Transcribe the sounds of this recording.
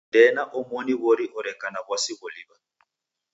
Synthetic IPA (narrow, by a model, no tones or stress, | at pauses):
dɛnaʔʊmoniβoɾiʔʊɾɛkʼanabwasiɣʊliːba